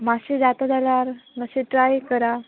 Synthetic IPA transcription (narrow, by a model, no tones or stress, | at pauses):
maɕed͡zat̪ad͡zʱalaɾməɕeʈɾajkəɾa